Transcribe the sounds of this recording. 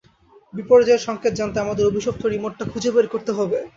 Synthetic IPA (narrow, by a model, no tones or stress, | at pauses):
bipoɾd͡ʑaeɾʃɔŋkʰet̪̚d͡ʑant̪eamad̪eɾobʱiʃok̚t̪oɽimoʈːakʰud͡ʑebeɾkoɾt̪eɦɔbe